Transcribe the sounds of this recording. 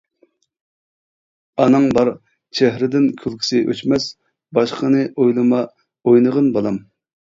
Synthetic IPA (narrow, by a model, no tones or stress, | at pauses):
ɑnɨŋbɑɾ | t͡ʃʰɛɦɾɪd̪ɪnkʲʰylˠkʲʰi̥sɪʔø̰t͡ʃmɛs | bɑʃqʰənɨʔojlˠɨmɑ | ojnəʁənbɑlˠɑm